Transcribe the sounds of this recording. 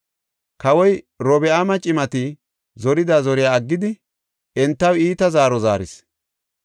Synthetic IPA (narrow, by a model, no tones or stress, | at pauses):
kɐwɔj | ɾɔbɛamɐt͡ʃʼɪmɐt̪ɪ | zɔɾɪd̪azɔɾɪjaːɡːɪd̪ɪ | ɛnt̪ːɐwiːt̪ɐzaːɾɔza̰ːɾɪs